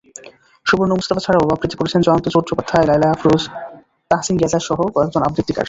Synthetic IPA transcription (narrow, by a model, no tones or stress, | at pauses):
ʃubuɾnomust̪apat͡ɕʰaɽaobapɾit̪ikoɾet͡ɕʰend͡ʑɔnont̪ot͡ɕoɾt͡ɕokot̪ʰːaelajlajafɾuz | t̪aɦasinɡɛt̪aʃɔɦokɔekd͡ʑonabd̪it̪ːika̰ɾ